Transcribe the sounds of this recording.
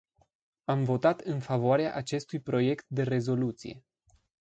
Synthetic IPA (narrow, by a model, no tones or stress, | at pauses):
amvo̞t̪at̪ɨnfavoaɾea̰ʔat͡ʃe̞st̪ujpɾo̞je̞kt̪̚d̪e̞re̞zo̞lut̪sḭje̞̰